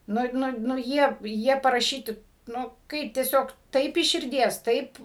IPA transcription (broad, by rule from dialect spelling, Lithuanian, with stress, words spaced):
ˈnʊ ˈnʊ nʊ ˈjiɛ ˈjiɛ pɐrɐˈʃʲiːtʲɪ ˈnʊ ˈkɐɪp tʲiɛˈsʲoːk ˈtɐɪp ɪʃ ʃʲɪrʲˈdʲiɛs ˈtɐɪp